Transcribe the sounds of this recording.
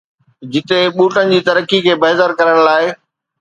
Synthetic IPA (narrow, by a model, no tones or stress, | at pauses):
d͡ʑɪt̪eɓuːʈənɪ̆d͡ʑiːt̪ɐɾəkikʰeːbɐɦɪt̪əɾkɐɾəɽ̃laːɪ